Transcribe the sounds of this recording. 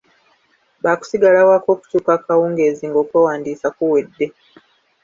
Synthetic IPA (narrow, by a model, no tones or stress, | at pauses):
baːku̥siɡalawako̞ːku̥tuːkakawuːŋɡe̞ːziːŋɡo̞ːkweːwaːndiːsakuwedːe̞